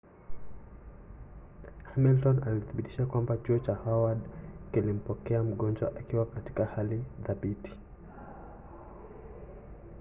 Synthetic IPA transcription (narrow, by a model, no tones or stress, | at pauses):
hamiltɔnaliθiɓiti̥ʃakwambat͡ʃuɔt͡ʃahawadkilim̩pɔkɛam̩ɠɔnd͡ʒwa̰ʔakiwakati̥kahaliðaɓiti̥